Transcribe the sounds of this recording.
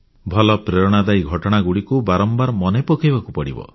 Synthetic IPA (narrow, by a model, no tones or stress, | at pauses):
bʱɔlɔpɾeɾɔɽ̃ad̪ajɡʱɔʈɔɽ̃aɡuɽikubaɾɔmbaɾmɔnepɔkʰijbakupɔɽḭbɔ̰